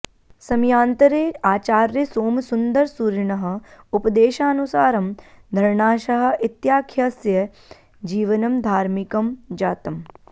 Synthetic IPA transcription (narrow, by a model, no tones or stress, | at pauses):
sɐmjaːnt̪ɐɾeːaːt͡ʃaːɾjɐsoːmsund̪ɐɾsuɾɳɐɦɐ̆upɐd̪eːʃaːɐnusaːɾɐm | d̪ʱɐɾɳaːʃɐɦɐ̆ʔit̪jaːkʰjɐsjɐ | d͡ʒiːʋɐnɐmd̪ʱaːɾmikɐmd͡ʒaːt̪ɐm